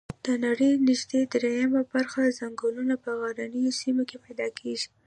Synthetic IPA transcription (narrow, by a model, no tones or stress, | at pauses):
d̪̥ənaɽəjnɪʒd̪ed̪ɾejamabaɾxazaŋɡolunapəɣaɾanəjosimokepajd̪ɑkʰeʒi